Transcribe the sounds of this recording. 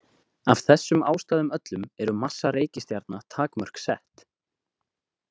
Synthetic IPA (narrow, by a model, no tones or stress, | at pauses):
av̥θɛsːʏmaːwst̪aːðʏmœt̪lʏmɛɾʏmasːaɾeːjcɪst̪jaɾt̪̚nat̪ʰaːkmœr̥ksɛht̪